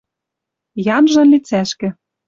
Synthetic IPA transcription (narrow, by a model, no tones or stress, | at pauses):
jɑnʒɤ̆nlit͡sæʃkɘ̆